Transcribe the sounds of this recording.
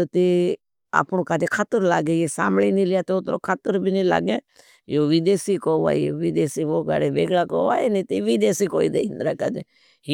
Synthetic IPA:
t̪eː | a̰ːpnokaːd͡ʒeːkʰaːt̪əɾlaːɡeːjeːsa̰ːmliːnilɪjaːt̪eʊt̪ɾo̰ːkʰaːt̪əɾbʱinila̰ːɡeː | joːʋid̪eːsiːkoːʋa̰ːoʋiːd̪eːsiːʋoːka̰ɽebeːɡɽaːko̰ːʋa̰ːenẽːt̪eʋiːd̪eːsiːkoːiːd̪ḛːɪnd̪ɾaːkaːd͡ʒeː

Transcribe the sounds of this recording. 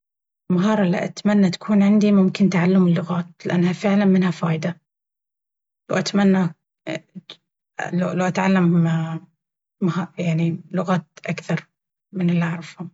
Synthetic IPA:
lmaɦɑːɾˤlːḭʔat̪manːat̪ḁkʰuːnʕɪnd̪imʊmkɪnt̪aʕalːʊmɪlːʊɣaːt̪̚lɪʔanːhafɪʕlanmɪnhafaːjd̪a | lawʔat̪manːa | lalawʔat̪ʕalːam | maɦɑːjaʕnilʊɣaːt̪̚ʔakθɑɾˤ | mɪnɪlːiaʕɾˤɑfhʊm

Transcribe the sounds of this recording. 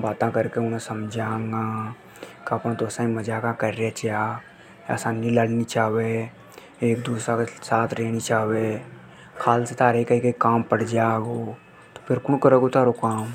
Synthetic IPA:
baːt̪ãkəɾkeʊnẽsəmd͡ʒʱãːŋɡãː | kɐpnãt̪oːsãĩməd͡ʒakãkəɾjat͡ʃja | a̰sanilaɽnit͡ʃaːwe | eːk̚d̪uːsɾakesaːt̪ʰɾeːnit͡ʃaːwe | kʰaːlset̪aːɾeikaikeikaːmpəɽ̤d͡ʒaːɡoː | t̪o̥pʰɪɾkʊñkəɾeɡot̪aːɾokaːm

